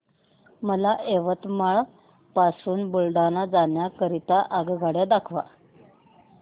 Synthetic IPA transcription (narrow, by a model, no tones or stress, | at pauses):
məlaʔeʋət̪maɭ | pasuːnbuɭɖanad͡zanjakəɾit̪aʔaɡɡʱaɽjad̪akʰʋa̰